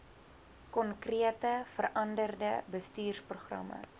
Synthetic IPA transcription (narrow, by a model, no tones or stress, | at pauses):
kɔnkriətəfərʔɐndərdəbəstyːrspruχrɐ̰mə̰